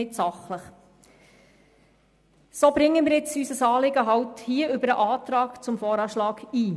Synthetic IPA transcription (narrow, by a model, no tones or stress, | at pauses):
ɪtsɑχləχ | soːbɾɪŋːəmɪːɾjɪt͡sysəsɑːlɪɡəɦɑwthiːəʔʏbəɾəʔɑːtɾɑːkt͡sʊmfɔːɾɑːʃlɑːɡiː